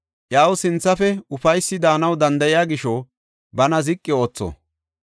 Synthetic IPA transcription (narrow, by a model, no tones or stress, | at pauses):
ʔjaːwʊsɪnt͡sːɐfɛʊfɐjsːɪd̪aːnɐwd̪ɐnd̪ɐjjaːɡɪʃo | bɐnɐzɪkʼːɪo̞ːt͡sːɔ̰